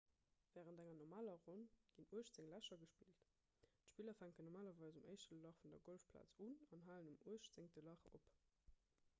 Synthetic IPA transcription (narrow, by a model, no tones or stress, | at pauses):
v̥ɛːʁəntæŋɐnɔmaːlɐʁonɡ̥inuəʃtz̥eŋlæʃɐɡəʃpiːlt | tʃpiːlɐfæŋkənɔmaːlɐvɑɪzuməɪʃtəlɑχfundɐɡolfpʰla̰ːt͡sunɑnɦaːlənumuəʃz̥eŋtəlɑχop